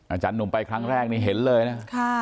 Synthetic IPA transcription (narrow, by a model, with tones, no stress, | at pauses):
ʔa˨˧˩t͡ɕa˧nːu˨˩ŋpa˧jkʰɾa˦˥ŋɾɛː˥˩k̚niː˦˥˩ɦe˩˦nlɤː˧jna˦˥kʰa˥˩